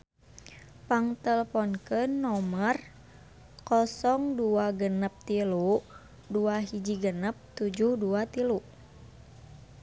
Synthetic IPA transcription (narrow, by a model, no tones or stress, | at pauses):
paŋt̪ələpɔnkənːɔmər | kɔsɔŋduaɡənəp̚t̪ilu | duaɦid͡ʒiɡənəp̚t̪ud͡ʒuhduat̪ilu